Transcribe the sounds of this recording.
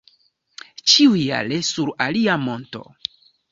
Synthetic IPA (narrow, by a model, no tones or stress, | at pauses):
t͡ʃiuja̰lesuɾaliamo̞nto̞̰